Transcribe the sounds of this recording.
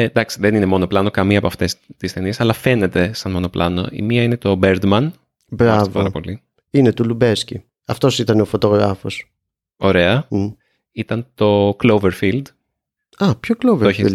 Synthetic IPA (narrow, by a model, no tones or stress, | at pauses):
ed̪ɐksi̥ðe̞nine̞mo̞noplɐnokɐmiɐpoɐft̪e̞st̪isθe̞niesɐlɐfe̞ne̞t̪e̞sɐnmo̞no̞plʔɐno̞̰ḭmiɐinet̪o̞beɾd̪mɐn | bɾɐssvɐɾɐpo̞̰li | inet̪ulubesci | ɐft̪o̞sit̪ɐneofot̪o̞ɣɾɐfo̞s | o̞ɾe̞ɐ | it̪ɐnt̪o̞klowveɾfild̪ | ɐpçokloveoçi